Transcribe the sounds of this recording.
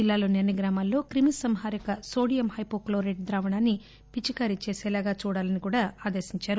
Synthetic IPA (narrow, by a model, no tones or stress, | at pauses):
d͡ʒilːaːloːneɾniɡɾaːmaːlːo̞ːkɾimisɐmɦaːɾikɐso̞ːɽijɐmhɐjpoːkloːɾeʈ̚d̪ɾaːʋɐɳaːnːi | pit͡ʃikaːɾit͡ʃeːsɛːlaːɡaːt͡ʃuːɽaːlɐnikuːɽaːaːd̪eːsiɲt͡ʃaːɾu